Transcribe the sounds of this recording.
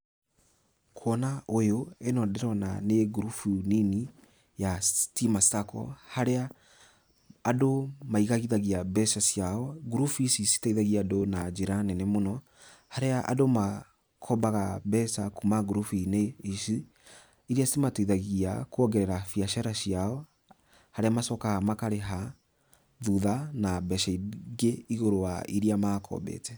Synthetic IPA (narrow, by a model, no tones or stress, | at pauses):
kʰwɔnaojoenɔdɛɾɔnaneɡɾufunini | jastimastakɔ̰haɾea | domaiɣaɣiðaɣiabɛsasjaɔɡuɾufuisisi̥taiðaɣiadonad͡ʒeɾanɛnɛmonɔ | haɾeaʔa̰doma | kʰɔbaɣabɛsakumaɡuɾufineisi | iɾiasimataiðaɣiakwɔɡɛɾɛɾafiaʃaɾasiaɔ | haɾeamasɔkaɣamakaɾeɦa | ðuðanabɛʃaɣeiɣoɾowaʔiɾiamakʰɔ̰bɛ̰tɛ